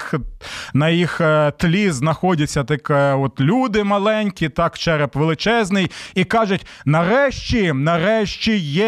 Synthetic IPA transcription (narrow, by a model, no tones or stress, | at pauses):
nɐjixt̪lʲiznɐxɔdʲɐt͡sʲːɐt̪ɪkɔt̪lʲud̪ɪmɐlˠɛnʲkʲit̪ɑkt͡ʃɛɾɛpʋelˠɪt͡ʃɛznɪjikɑʒʊtʲ | nɐɾɛʃt͡ʃʲinɐɾɛʃt͡ʃʲijɛ